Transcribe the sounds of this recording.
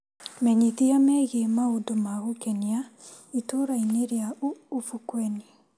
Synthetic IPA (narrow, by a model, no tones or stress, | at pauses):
mɛɲiðijamɛɣemaodomaɣokɛniaitoɾaineɾjauːfukwɛne